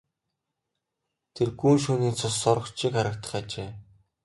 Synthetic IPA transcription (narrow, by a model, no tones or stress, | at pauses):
t̪ʰerɡuːnʃuːniːt͡sʰʊsɔɾɞ̆kt͡ɕʰikχaɾə̆k̚t̪ə̆χat͡ɕeː